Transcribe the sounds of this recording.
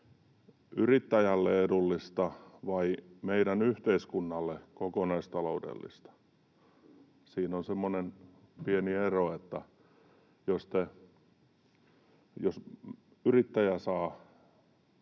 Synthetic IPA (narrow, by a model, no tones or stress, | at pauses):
yrit̪ːæjælːeedulːist̪ɑʋɑimeiɾænyht̪eiskunːɑlːekokonɑist̪ɑloudḛlːḭst̪ɑ̥ | siːnonsemːonenpienieroet̪ːæ̰ | jost̪e | jos | yrit̪ːæjæsɑː